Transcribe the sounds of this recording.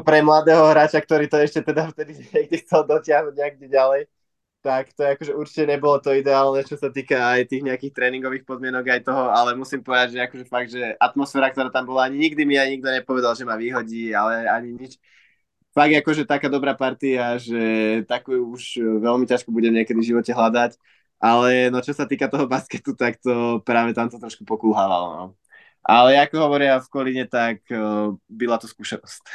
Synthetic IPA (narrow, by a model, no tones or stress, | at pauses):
pɾɛmlad̪ɛːɦɔɦɾaːt͡ʃak̚t̪ɔɾiːt̪ɔɛʃcɛt̪ɛd̪aft̪ɛd̪iɲɛɡ̚d̪ixt͡sɛld̪ɔcɪaɦnuɟɲɛɡ̚d̪iɟalɛj | t̪akt̪ɔɛakɔʒɛuɾt͡ʃi̥cɛɲɛbɔlɔt̪ɔid̪ɛaːlˠnɛt͡ʃɔsat̪iːkaːjt̪iːɣɲɛakiːxt̪ɾɛːniŋɡɔʋiːxpɔd̪mɪɛnɔɡajt̪ɔɦɔalɛmusiːmpɔʋɛd̪aɟʒɛakɔʒɛfaɡ̚d̪ʒɛʔat̪mɔsfɛːɾak̚t̪ɔɾaːt̪ambɔlaaɲiɲiɡd̪imiajɲiɡ̚d̪ɔɲɛpɔʋɛd̪alˠʒɛmaːʋiːɦɔɟiːalɛaɲiɲit͡ʃ | faɡ̚ɡ̪akɔʒɛt̪akaːd̪ɔbɾaːpaɾt̪iaʒɛt̪akujuuʒʋɛlmicaʃkubuɟɛmɲɪɛkɛd̪ivʒiʋɔcɛɦlad̪ac | ʔalɛnɔt͡ʃɔsat̪iːkat̪ɔɦɔbaskɛt̪ut̪akt̪ɔpɾaːʋɛt̪amt̪ɔt̪ɾɔʃkupɔkuːɦaːʋa̰lɔ̰nɔ̰ | ʔalɛjaːkɔɦɔʋɔɾɪafkɔliɲɛt̪ak | bilat̪ɔskuːsɛnɔsc